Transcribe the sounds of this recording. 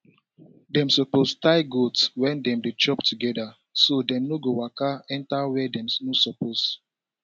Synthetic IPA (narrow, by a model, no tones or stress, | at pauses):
dɛ̃msɔpostaɪɡodswɛ̃ndɛ̃mdet͡ʃɔptuɡɛda | sodɛ̃mnoɡowakaɛ̃ntawɛdɛ̃mnosɔpos